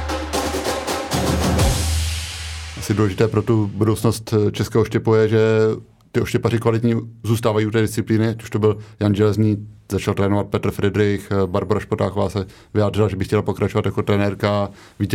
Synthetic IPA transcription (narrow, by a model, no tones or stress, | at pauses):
ʔasɪduːlɛʒɪt̪ɛːpɾot̪ubudowt͡sno̞st̪t͡ʃɛskɛːɦoʃcɛpujɛʒɛ | t̪ɪoʃcɛparɪkvalɪt̪ɲizuːst̪aːvajiut̪̬ɛːdɪst͡sɪpliːnɪacu̥ʃt̪obɪljanʒɛlɛzɲiːzat͡ʃalt̪ɾɛːnovat̪̚pɛt̪r̩fɾɛdɾɪxbaɾboɾaʃpot̪aːxovaːsɛ | vɪjaːd̪r̝ɪlaʒɛbɪxcɛlapo̞kɾat͡ʃovat̪jako̞t̪ɾɛnɛːɾka | viːt